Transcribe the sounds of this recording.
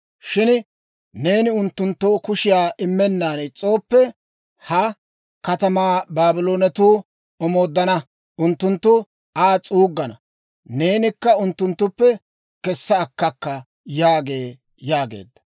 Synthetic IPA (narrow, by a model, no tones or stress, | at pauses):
ʃɪn | ne̞ːnɪʊnt̪ːʊnt̪ːoːkʊʃɪjaːʔɪmːɛnːaːnt͡sʼo̞ːpːɛ | hɐ | kɐt̪ɐmaːbaːbɪlo̞ːnɛt̪uː | ɔmo̞ːd̪ːɐnɐ | ʔʊnt̪ːʊnt̪ːʊ | aːt͡sʼuːɡːɐnɐ | ne̞ːnɪkːɐʊnt̪ːʊnt̪ːʊpːɛ | kɛsːɐːkːɐkːɐ | jaːɡe̞ː | jaːɡe̞̰ːd̪ːɐ̥